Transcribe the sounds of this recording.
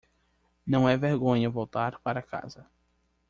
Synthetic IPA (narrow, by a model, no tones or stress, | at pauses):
nɐ̃w̃ɛveɾɡõɲɐvowt̪aɾpaɾɐka̰zɐ